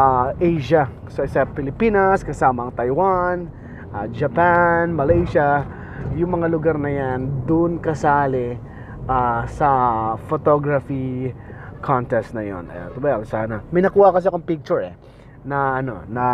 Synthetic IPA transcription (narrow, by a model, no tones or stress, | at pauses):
aʔejʃɐ | soɪsɐpɪlɪpiːnɐskɐsaːmɐʔɐŋt̪ɐjwan | ʔad͡ʒɐpanmɐlejʃɐ | jʊŋmɐŋalʊɡaɾnɐjand̪ʊnkɐsaːlɪ | ʔasɐfot̪oɡɾɐfi | kʰont̪ɛst̪nɐjo̰n̰t̪ʊbaaksaːnɐmɐjnɐkuːhɐkɐs̬ɛɐkoɐŋpik̚t͡ʃʊɹɛ̰ | nɐʔɐno̞̰nɐ